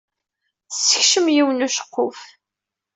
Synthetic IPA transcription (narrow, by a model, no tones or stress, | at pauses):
θsːə̥çʃəmjiwənuʃə̥qːof